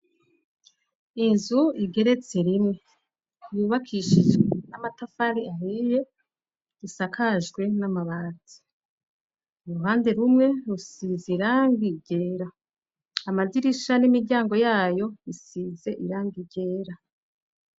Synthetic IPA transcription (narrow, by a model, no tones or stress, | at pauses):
inzuiɡe̞ɾe̞t͡se̞ɾimŋe̞ | juːβakʰiʃiʒɡenamatafaɾiahije̞ | ɾisakʰaʒɡwe̞namaβaːti̥ | uɾuhaːnde̞ɾumŋe̞ɾusiziɾaːŋɡiɟe̞ːɾaː | maziɾiʃanimiɾɟaːŋɡo̞jaːjo̞isize̞ʔiɾaːŋɡiɟe̞ːɾa